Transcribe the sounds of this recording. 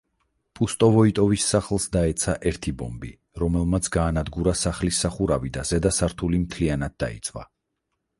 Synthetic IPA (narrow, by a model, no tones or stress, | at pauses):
pʼust̪ʼɔvɔit̪ʼɔvisːaχlˠsd̪aɛt̪sʰaʔɛɾt̪ʰibɔ̰mbi | ɾɔmɛlˠmat̪sʰɡaːnad̪ɡuɾasaχlisːaχuɾavid̪az̥ɛd̪asaɾt̪ʰulimt̪ʰlianad̪̚d̪a̰ḭt̪sʼvwa̰